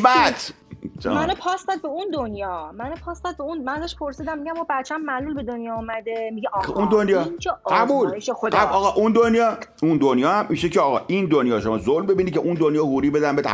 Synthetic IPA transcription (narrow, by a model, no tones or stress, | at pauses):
bæt̪ | t͡ʃmænopʰɒsd̪æd̪̚beund̪onjɒːmænopʰɒːsd̪ad̪̚beunmænæzæʃpʰoɾsiːd̪æmːiɟæmɔbæt̪̚t͡ʃʰæmːælulbed̪onjɒːumæd̪emiɡɛʔũnd̪onjɒːint͡ʃʰeæbuːliʃexod̪æɒːɣɒʔund̪onjɒːund̪onjɒːhæmmiʃecʰeɒːɣɒːʔind̪onjɒːʃomɒːzolmbebinid̪̚cʰeʔund̪onjɒːhuɾiːbed̪ænbet̪ʰæ̰